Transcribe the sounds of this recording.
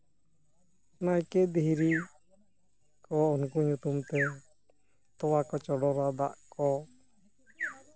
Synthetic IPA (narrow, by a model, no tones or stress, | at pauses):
najkɛd̪iɦɾi | kɔunkuɲut̪umt̪ɛ | t̪ɔwakɔt͡ʃɔɽɔɾad̪a̰ʔkɔ